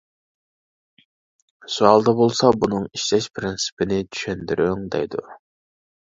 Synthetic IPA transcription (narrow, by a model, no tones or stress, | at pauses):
suɑlˠd̪ɑbolˠsɑbunɨŋiʃlɛʃpʰɾɪnsɪ̥pʰɪnɪt͡ʃ̪ʰy̥ʃɛnd̪yɾʔyŋd̪ɛ̰jd̪ṵ